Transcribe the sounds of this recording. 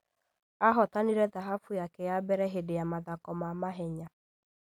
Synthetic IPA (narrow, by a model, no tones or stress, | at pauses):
aɦɔtaniɾɛtaɦafʊjakɛjabɛɾɛɦedɪjamaðakɔmamaɦɛɲa